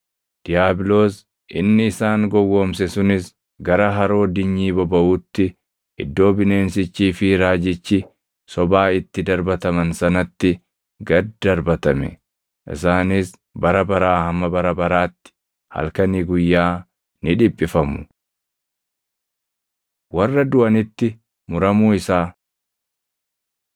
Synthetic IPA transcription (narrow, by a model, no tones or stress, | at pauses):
d̪̥ɪjaːbɪlo̞ːs | ʔɪnːɪɪsaːŋɡɔwːomsɛsʊnɪs | ɡɐɾɐɦɐɾo̞ːd̪ɪɲːiːbɔbɐʔuːt̪ːɪ | ɪ̰d̪ːo̞ːbɪneːnsɪt͡ʃːiːfɪɾaːd͡ʒɪt͡ʃːɪ | sɔbaːɪt̪ːɪd̪ɐɾbɐt̪ɐmɐnsɐnɐt̪ːɪ | ɡɐd̪d̪ɐɾbɐt̪ɐmɛ̰ | ʔɪ̰saːnis | bɐɾɐbɐɾaːhɐmːɐbɐɾɐbɐɾaːt̪ːɪ̥ | hɐ̰lkɐniːɡʊjːaː | nɪᶑɪpʼːɪfɐmʊ̥ | wɐrːɐd̪ʊʔɐnɪt̪ːɪ | mʊɾɐmuːɪsaː